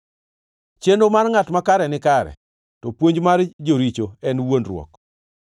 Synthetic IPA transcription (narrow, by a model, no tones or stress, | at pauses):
t͡ʃendomarŋatmakaɾɛnɪkaɾɛ̰ | tɔpwoɲd͡ʒmaɾd͡ʒoɾit͡ʃoɛnwonrwɔ̰k